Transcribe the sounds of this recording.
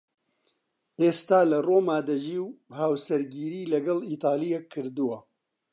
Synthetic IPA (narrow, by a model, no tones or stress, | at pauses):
ʔeːst̪aːlɐroːmaːd̪ɐʒiːwhaːwsɐɾɡiːɾiːlɐɡɐliːt̪aːlijekʰːɨɾd̪uwɐ